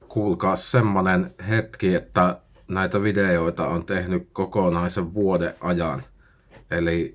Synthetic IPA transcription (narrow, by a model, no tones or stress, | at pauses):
kuːlkɑːssemːonenhet̪kiet̪ːæ | næˑit̪æʋideoˑit̪ɑ̰ont̪ehnykkokonɑˑiseʋʋuodḛʔʔɑjɑ̰n | ʔeli